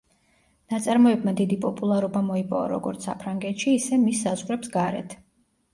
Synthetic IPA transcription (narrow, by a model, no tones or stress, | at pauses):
nat̪sʼaɾmɔɛbmad̪id̪ipʼɔpʼulˠaɾɔbamɔipʼɔva̰ɾɔ̰ɡɔɾt̪sʰa̰pʰɾaŋɡɛt̪ʃiːsɛmisːazʁɾɛpsɡaɾɛ̰t̪ʰ